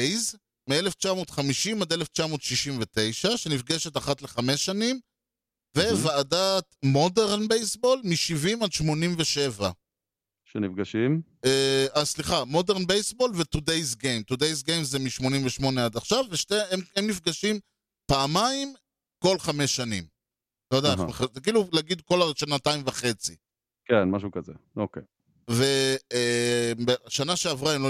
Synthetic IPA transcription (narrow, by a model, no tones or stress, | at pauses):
ejz | mieleft͡ʃamo̞ːt̪χamiʃimad̪eleft͡ʃamo̞ːt̪ʃiʃimvet̪e̞jʃaʃe̞nifɡeʃet̪aχat̪le̞χame̞sanim | ve̞vaːdat̪modeʁnbejsbo̞lmiʃivimad̪ʃmo̞nimveʃe̞va̰ | ʃenifɡaʃim | easliχamo̞deʁnbejsbo̞lvet̪ud̪ejsɡejmt̪ud̪e̞js̬ɡejmzemiʃmo̞nimveʃmo̞nead̪aχʃavːeʃteememnifɡaʃim | paːmaim | ko̞lχamesːanim | lojodaaeemeχakiːlulaɡid̪̚ko̞laʃanataimvaχe̞t͡si | kenmaʃ̬ukazḛokḛ | ve̞ | mbeaʃanaʃeavʁaemlo